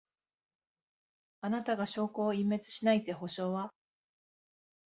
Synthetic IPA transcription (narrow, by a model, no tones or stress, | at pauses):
anat̪aɡaɕo̞ːko̞ːimːe̞t͡sɨ̥ɕinait̪e̞ɦo̞ɕo̞ːβa